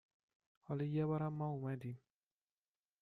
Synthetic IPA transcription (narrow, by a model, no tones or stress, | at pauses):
ɔlijɛwaɾamauwɛ̃dim